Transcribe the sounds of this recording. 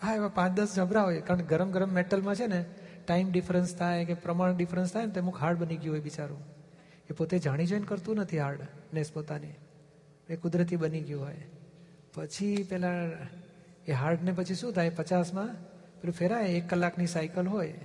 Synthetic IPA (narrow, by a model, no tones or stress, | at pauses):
ɦaeʋapãt͡ʃd̪əsd͡ʒʱə̃bɾaɦojekaɾəɳkeɡəɾəmɡəɾəmːeʈəlmãt͡ʃʰeneʈaimɖifɾənst̪ʰajkepɾəmaɳɖifɾənst̪ʰajnet̪oemũkɦaɾɽbəniɡjũɦojʋit͡ʃaɾũ | epot̪ed͡ʒaɽ̃id͡ʒɔjnkəɾt̪ũnət̪ʰiɦaɾɖnespot̪ani | pəekʊd̪ɾət̪̬ibəniɡjũɦoj | pət͡ʃʰipɛlã | eɦaɾɖnep̬ət͡ʃʰiʃũt̪ʰajpət͡ʃasmã | pəɾufeɾajekːəlːaknisajkəlɦoj